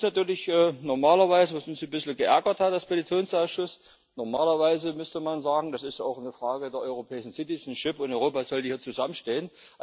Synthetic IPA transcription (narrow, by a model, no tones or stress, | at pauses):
natyːɐlɪçʔɛːnɔɐmaːlɐvaɪzəvasʊnsbɪsl̩ɡəʔɛɐɡɐthatalspʰelit͡sjoːnsaʊsʃʊs | nɔɐmaːlɐvaɪzəmʏstəmanzaːɡŋ̩dasɪstʔa̰ʊxnəfʁ̥aːɡədeːɐʔɔ̰ʏʁ̞opʰɛːɪʃn̩sɪtɪsnʃɪpʊntʔɔʏʁoːpaːz̥ɔldiːhiːɐt͡suzamənʃteːənʔ